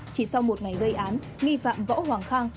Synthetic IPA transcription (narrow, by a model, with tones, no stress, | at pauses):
t͡ɕi˧˩sa˧wmo˨˩t̚ŋa˨˩jɣə˧jʔaː˨˦n | ŋi˧fa̰ː˧˨mvɔ̰ː˧˥hwaː˨˩ŋxaː˧ŋ